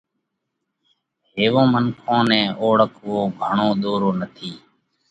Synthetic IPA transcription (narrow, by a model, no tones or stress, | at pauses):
ɦeːʋõːmənkʰõːnɛ̃ːʔoːɽəkʋoːɡʱəɳoːɗ̪oːɾoːnət̪ʰiː